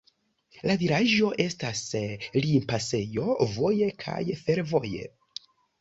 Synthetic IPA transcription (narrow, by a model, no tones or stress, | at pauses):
laviɾaʒo̞ʔe̞staslimpase̞jo̞vo̞je̞kʰa̰jfe̞ɾvo̞je̞̰